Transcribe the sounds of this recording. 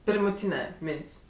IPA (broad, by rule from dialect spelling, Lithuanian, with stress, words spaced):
pʲɪrmʊˈtʲiːnʲɛ ˈmʲeːnʲtʲsʲ